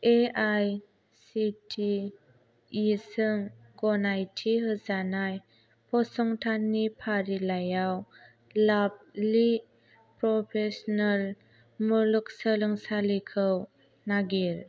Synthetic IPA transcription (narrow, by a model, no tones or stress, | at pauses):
ʔeʔaj | sitʰi | isɯŋ | ɡɔnajtʰiɦɯzanaj | pʰɔsɔŋtʰanːipʰaɾilajaw | lab̚li | pɾɔpʰesɔnal | muluk̚səlɯŋsalikʰəw | naɡiɾ